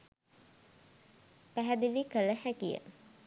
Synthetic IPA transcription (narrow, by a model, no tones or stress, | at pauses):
pæɦæd̪ilikələhækijə̰